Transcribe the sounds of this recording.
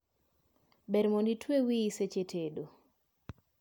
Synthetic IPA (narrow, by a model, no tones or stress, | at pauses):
bɛɾmonditʰwewiːset͡ʃetʰedo